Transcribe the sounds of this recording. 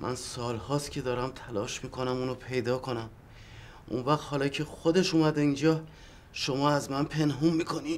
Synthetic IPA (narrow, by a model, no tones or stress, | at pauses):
mʔæ̰nsɒːlhɒːst̪cʲʰe̞d̪ɒːɾæmt̪ʰælɒːʃmiːkʰo̞næmuːnopʰe̞jd̪ɒːkʰo̞næm | ʔṵnvæχt̪hɒːlɒːcʰe̞xod̪e̞ʃuːmæd̪eind͡ʒɒː | ʃo̞mɒːæzmænpʰe̞nɦumːiːkʰo̞ni